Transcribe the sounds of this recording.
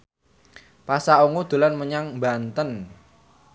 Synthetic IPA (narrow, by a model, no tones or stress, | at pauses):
pasauŋud̪̥ṳlanməɲaŋbant̪ən